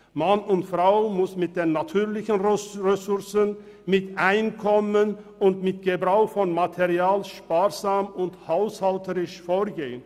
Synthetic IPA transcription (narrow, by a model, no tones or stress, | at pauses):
manʊntfʁ̥aʊmʊsmɪt̚d̥eːnatʰyːɐlɪçənʁʁəsʊʁsən | mɪtʔaɪnkʰɔmən | ʊntmɪt̚ɡ̥əbʁaʊxfɔnmatʰeʁiaːlʃpaːʁzaːmʊnthaʊshaltəʁɪʃfoːɐɡeːən